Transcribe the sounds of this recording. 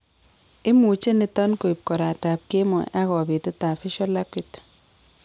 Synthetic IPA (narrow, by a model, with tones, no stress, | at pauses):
ɪ˦mu˨t͡ʃe˦nɪ˦tɔ˦nko˨i˨p̚kɔ˨ɾa˨ta˨p̚ke˦mɔ̰˨ʔa˦kɔ˨bi˨te˦ta˨fɪ˦ʃɔ˦la˦kwi˨t